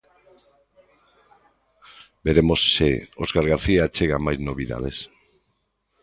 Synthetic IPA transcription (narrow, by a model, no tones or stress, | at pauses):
be̞ɾemosːeoskaɾɣaɾθiat͡ʃeɣamajznoβiða̰ð̞e̞̰s